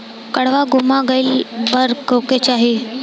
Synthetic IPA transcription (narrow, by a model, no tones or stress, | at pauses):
kəɽʋaɡumaɡəilbəɾkəwket͡ɕaɦi